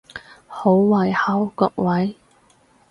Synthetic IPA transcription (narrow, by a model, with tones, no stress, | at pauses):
ho˨˥wwɐ˨˩jhɐ˨˥wkɔː˧k̚wɐ˨˥j